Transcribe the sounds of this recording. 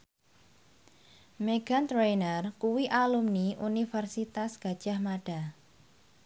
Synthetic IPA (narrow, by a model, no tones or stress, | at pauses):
meɡ̥ant̪ɾejnərkuwiʔalumniʔunifɛrsit̪asɡ̥a̤d̥ʒ̥a̤hmaɖ̥a̤